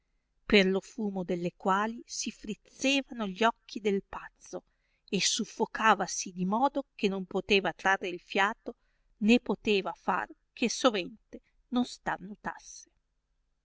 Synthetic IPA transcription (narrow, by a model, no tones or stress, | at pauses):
perlofuːmod̪elːekwaːlisifɾit̪sːeːvanoʎiɔkːid̪elpat̪sːo | esufːokaːvasid̪imɔːd̪ok̟enompot̪eːvat̪ɾarːeilfjaːt̪o | nepot̪eːvafa̰rkʰesovɛnt̪e | nonst̪arnut̪a̰sːe̥